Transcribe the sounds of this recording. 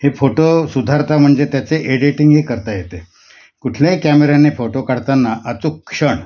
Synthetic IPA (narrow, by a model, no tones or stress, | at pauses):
hefoʈosud̪ʱaɾt̪ʰam̤əɳd͡zet̪jat͡seʔeɽiʈiŋɡɦiːkəɾt̪ajet̪e | kuʈʰljãkæmeɾanːefoʈokaɽt̪anːaʔat͡sokʂəɳ